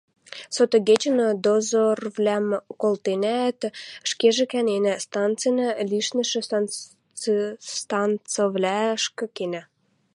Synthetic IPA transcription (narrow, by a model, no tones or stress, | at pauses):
sot̪oɡet͡ɕə̆nəd̪ozorvlʲæmkolˠt̪enæt̪ʃkeʒĕkænenæst̪ɑnt͡sɨjnəlʲiʃnə̆ʃĕs | st̪ɑnt͡sovlʲæʃkɤ̆kenæ